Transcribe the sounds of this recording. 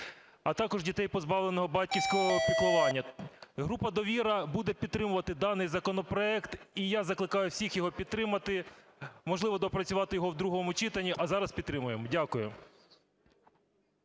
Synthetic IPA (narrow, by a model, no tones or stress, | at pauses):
ɐt̪ɑkɔʒdʲit̪ɛjpɔzbɑʋlˠenɔɦɔbɑt̚ʲkʲiwsʲkɔɦɔpʲiklˠʊʋɑnʲːɐɦɾupɐd̪ɔʋʲiɾɐbud̪ɛpʲid̪t̪ːɾɪmʊʋɐt̪ɪd̪ɑnɪjzɐkɔnɔpɾɔɛkt̪ijazɐklˠɪkɑjʊwsʲixjɔɦɔpʲid̪t̪ːɾɪmɐt̪ɪ | mɔʒlˠɪʋɔd̪ɔpɾɐt͡sʲʊʋɑt̪ɪjɔɦɔwd̪ɾuɦɔmʊt͡ʃɪt̪ɐnʲːiʔɐzɑɾɐspʲid̪t̪ːɾɪmʊjemɔdʲakʊjʊ